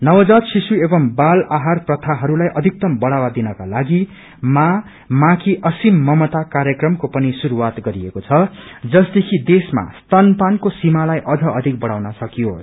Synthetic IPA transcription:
nʌwʌd͡zad̪sisuebʌmbalaɦarprʌt̪ʰaɦʌɾulajʔʌd̪ʱik̚t̪ʌmbʌɽawad̪inʌkalaɡi | ma | makʰiʔʌsimːʌmʌt̪akaɾjʌkrʌmkopʌnisuɾuwat̪ɡʌɾiekot͡sʰʌd͡zʌsd̪ekʰid̪esma̰st̪anpankosimalajʔʌd͡zʌʌd̪ʱik̚bʌɽawnʌsʌkijo

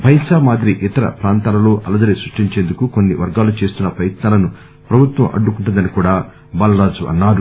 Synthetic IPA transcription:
bʱɐjsaːmaːd̪ɾiʔit̪ɐɾɐ̰pɾaːnt̪aːlɐlo̞ːʔɐlɐd̪ɐɾisɾuʂʈiɲt͡ʃe̞ːnd̪ukukonːiʋɐɾɡaːlut͡ʃe̞ːst̪unːɐpɐjɐt̪naːlɐnu | pɾɐbʱut̪ʋɐ̰mʔɐ̰ɖːukuɳʈund̪ɐnikuːɽaː | bɐːlɐɾaːd͡ʒuʔɐ̰nːaːɾu

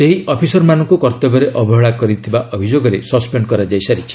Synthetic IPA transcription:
seɦiʔɔpʰisɔɾmanɔ̃ŋkukɔɾt̪ɔbɔɾeʔɔbʱɔɦɔɭakɔɾit̪ʰibaʔɔbʱid͡ʒoɡɔɾesɔspeɳɖkɔɾad͡ʒajsaɾit͡ʃʰi̥

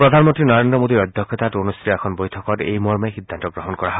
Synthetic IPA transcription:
pɾɔd̪ʱanmɔnt̪ɾinɔɾendɾɔmod̪iɾɔd̪ʱjɔkʰːɔt̪atonust̪ʰɾiɛkʰɔnbojtʰɔkɔtḛjmɔɹmajxid̪ʱːant̪ɔɡɾɔɦɔnkɔɾaɦɔ

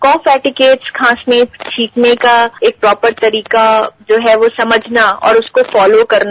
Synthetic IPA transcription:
kɔ̃ːfɛːʈɪkeːʈskʰãːsnet͡ʃʰiːpnekaeːk̚pɾɔːpəɾt̪ɐɾiːkad͡ʒoːɦɛʋosɐməd͡ʒʱnaɔ̰ːɾʊskofɔːlokɐɾna

